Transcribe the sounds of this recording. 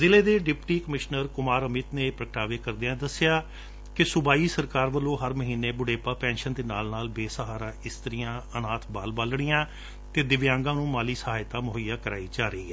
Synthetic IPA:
zɪleːd̪eːɖɪpʈiːkəmɪʃnəɾkʊmaːɾəmɪt̪neːpɾəkʈaːʋeːkəɾd̪eãːd̪əsɪjaː | kɪsʊbaːiːsəɾkaːɾʋəlːõːɦəɾməɦiːneːbʊɽeːpaːpɛ̃ːnʃənd̪eːnaːlnaːlbeːsəɦaːɾãːɪst̪əɾijãːənaːt̪ʰbaːlbəlɽ̃ɪjãː | t̪eːd̪ɪʋjãːŋɡãːnũːmaːliːsəɦaːɪt̪ãːmʊɦəjaːkəɾa̰ːiːt͡ʃaːɾəiːɛː

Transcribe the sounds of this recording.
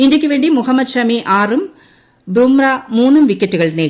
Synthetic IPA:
indjɐkʲːɨʋe̞ːɳɖimuhɐmːɐd̪ɕɐmiʔaːrum | bumrɐmuːnːumʋikʲːɐtːuɣɐɭneː

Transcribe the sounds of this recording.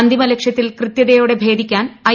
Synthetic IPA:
nd̪ʱimɐlekʂjɐt̪ːilkrɨt̪jɐðɐjoːɽe̞bʱe̞ːd̪ʱikʲːaːnɐ

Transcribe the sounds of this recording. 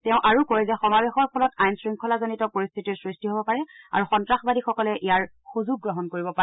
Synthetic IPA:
tɛʊ̃ʔaɹukoɹɛzɛxɔmabexɔɹpʰɔlɔtajnsɹiŋkʰɔlazonitɔpoɹist̪ʰitiɹsɹistiɦobɔpaɹɛa̰ɹuxɔntɹaxbadixɔkɔlɛʔijaɹ | xuzuɡ̚ːɹɔɦɔnkoɹibɔpa

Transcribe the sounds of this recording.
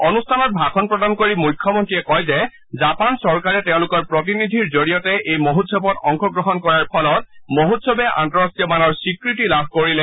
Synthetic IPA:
onustʰanɔt̚bʱakʰɔnpɹɔdankoɹimujkʰːɔmɔntɹiɛkɔjzɛ | zapansɔɹkaɹɛtɛʊ̃lʊkɔɹpɹɔt̬inid̪ʱiɹzoɹijɔtɛʔejmoɦutsɔbɔtɔŋkʰɔɡɹɔɦɔnkɔɹaɹpʰɔlɔt̚moɦutsɔbɛʔa̰ntɔɹastijɔmanɔɹsikɹitilabʱkoɹilɛ

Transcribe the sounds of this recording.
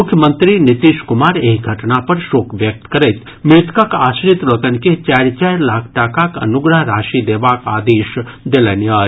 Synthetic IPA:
mʊkʰjəmə̃nt̪ɾinɪt̪iːʃkʊmaːɾeːɡʱɐʈnapɐɾʃoːkʋjək̚t̪kɐɾɛt̪ | mɪɾt̪kakaːsɾɪt̪ɾok̪ənket͡ʃɛːɾt͡ʃɛɾlaːkʰʈaːkakɐ̰nʊɡɾəɦɾaːʃid̪eːʋaːkaːd̪eːʃd̪elenjaːɾ

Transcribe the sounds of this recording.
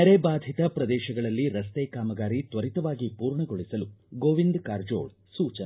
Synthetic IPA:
neɾebaːd̪ʱit̪ɐpɾɐd̪ɛːʃɐɡɐɭɐlːiɾɐst̪ɛːkaːmɐɡaːɾit̪ʋɐɾit̪ɐʋaːɡipuːɾɳɐɡoɭisɐluɡoːʋind̪kaːɾd͡ʒoːɭ | suːt͡ʃɐn

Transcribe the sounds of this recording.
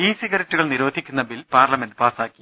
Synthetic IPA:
iːsiɣɐɾɐtːuɣɐɭniɾoːd̪ʱikʲːunːɐbilpaːrlɐmenɖɨpaːsaːkːi

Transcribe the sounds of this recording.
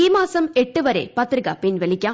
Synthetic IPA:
iːmaːsɐmɛʈːɯʋɐɾḛːpɐt̪ɾɯɣɐpɪnʋɛɭɪkʲːaː

